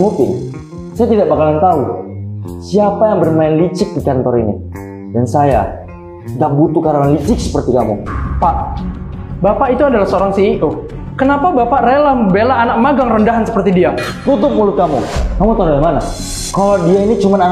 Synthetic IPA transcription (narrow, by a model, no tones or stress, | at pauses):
mupɪn | sajat̪idaʔbakalant̪au | siapajaŋbərmaɪnlit͡ʃɪk̚dikant̪ɔɾinḭ | dansaja̰ | daʔbut̪ukaɾaŋanlit͡ʃɪk̚sə̥pərt̪ikamṵpaʔ | bapaʔit̪uadalahsəoɾaŋsio | kənapabapaʔralahməbelaːnak̚maɡaŋrəndaɦansə̥pərt̪idiat̪ut̪̬ʊp̚mulʊt̪̚kamṵkamut̪audaimana | kalodiainit͡ʃumanan